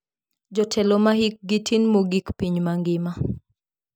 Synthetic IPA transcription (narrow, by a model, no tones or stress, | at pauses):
d͡ʒɔtʰɛlɔmaɦik̚ɡitʰinmoɡikpiɲmaŋɡɪma